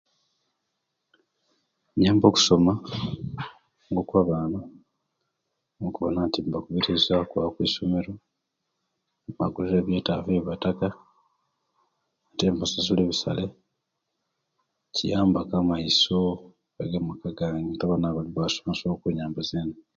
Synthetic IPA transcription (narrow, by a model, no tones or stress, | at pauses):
eɲaːmbo̞ku̥so̞ma | ŋɡokwaβaːna | okuβonatiːmbakuβiɾizakwaakwiːsomeɾo̞ | ma̰ɡuliɾeβjeːtaveiβataka | ateːmpasasuleβisa̰le | cijaːmbakamaiso | eɡamukaɡaːŋitaβanaβaliβasomasokuɲaːmbazeːna